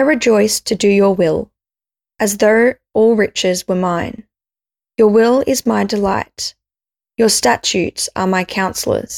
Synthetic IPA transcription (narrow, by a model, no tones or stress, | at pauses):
aɪɹɨd͡ʒɔɪstʰɨdɨjə˞wɪlˠ | ʔɨzðoʊ | ɔlˠɹɪt͡ʃɪzwə˞mãɪ̃n | jə˞wɪlˠɪzmaɪdəlaɪt | jə˞stæt͡ʃʉtsə̰˞maɪkʰãʊ̃nsl̩ˠə̰˞z̥